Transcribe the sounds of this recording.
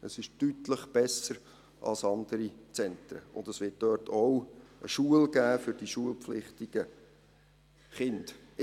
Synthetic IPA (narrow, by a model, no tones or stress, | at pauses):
əsɪʃtytləχb̥ɛsəɾ | ʔɑ̰lsɑnd̪̥əɾit͡sɛnt̪ɾə̰ʊ̰nd̪əsʋɪːt̚d̥øːtʰɔwʔəʃuəlɡ̥æːfʏɾdiʃuəlpflɪχtɪɡ̥ə | χɪnd̥